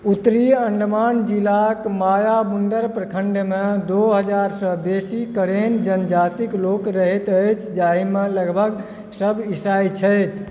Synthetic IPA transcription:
ut̪ɾiəɳɖmand͡ʒilakmajabunɖəɾpɾəkʰəɳɖmed̪oɦəd͡ʒaɾsəbesikəɾend͡ʒənd͡ʒat̪iklokɾəɦet̪əjt͡ʃʰd͡ʒaɦimeləɡbʱəɡ | səbʱisajt͡ʃʰəjt̪ʰ

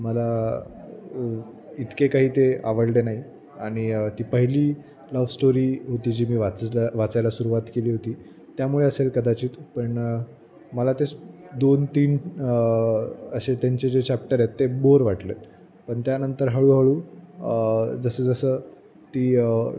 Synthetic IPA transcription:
məla | it̪kekaɦiːt̪eaʋəɽɖenaɦi | aɽ̃it̪iːpəɦiliː | ləʋsʈoɾiːɦot̪iːd͡ʑiːmiːʋat͡saʋat͡sajlasuɾuʋat̪keliːɦot̪iː | t̪jamuɭeəselkəd̪at͡ɕiːt̪pəɳ | məlat̪e | d̪ont̪iːn | əɕet̪jaɲt͡ɕed͡ʑet͡ɕap̚ʈəɾet̪ːeboɾʋaʈlet̪ | pəɳt̪janənt̪əɾɦəɭuːɦəɭuː | d͡zəsəːd͡zəsəː | t̪iː

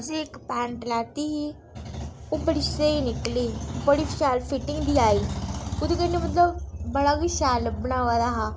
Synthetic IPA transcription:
d͡ʒeɪkpɛ̃ːɳʈlaːt̪iːɦiː | opəɽɪʃseiːnɪkliːpəɽiːʃɛːlpʰɪʈɪŋɡd̪iːaːiːʊd̪ekənemət̪ləbbəɽaːɡiʃɛːlbənaːʋaːd̪aːɦaː

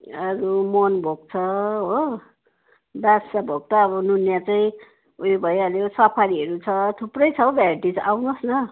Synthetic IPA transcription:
ʌɾumonbʱoɡ̚t͡sʰʌɦo | basabʱoɡ̚t̪ʌːbʌnunjat͡saĩ | uibʱʌjalosʌpʰaɾiɦʌɾut͡sʰʌt̪ʰuprʌjt͡sʰʌbʱarʈid͡zawnosnʌ

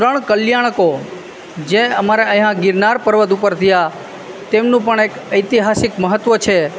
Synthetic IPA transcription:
t̪ɾəɳ̃kəljaɽ̃əko | d͡ʒeəmaɾeə̃ɦãɡɪɾnaɾpəɾʋəd̪upəɾt̪ʰəja | t̪emnũpəɳekəjt̪iɦasɪkməɦət̪ʋət͡ʃʰe

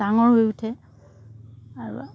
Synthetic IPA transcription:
aŋɔɹɦojutʰɛ | aɹṵ

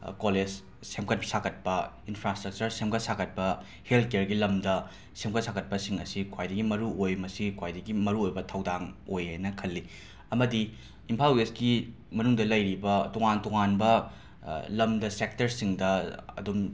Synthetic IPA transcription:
koled͡ʒ | semkɐt̚psakʰɐt̚pɐ | inpʰɾastɾɐk̚t͡ʃɐɾsemkʰɐtsakʰɐt̚pɐ | helt̚ʰkeeɾɡilɐmdɐ | semkʰɐt̚sakʰɐt̚pɐsiŋɐsikʰwajdɐɡimɐɾuojmɐsikʰwajdɐɡimɐɾuojbɐtʰɐwdaŋojhajnɐkʰɐlːi | ɐmɐdi | impʰalesɡi | mɐnuŋdɐlɐjɾibɐtoŋantɔŋanbɐ | lɐmdɐsek̚tɐɾsiŋdɐɐ̰dum

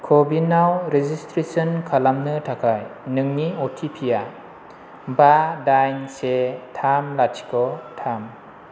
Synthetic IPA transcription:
kʰɔbinawɾezistɾesɔnkʰalamnɯtʰakʰajnɯŋniɔtʰipʰija | badajnsetʰamlatʰi̥kʰɔtʰam

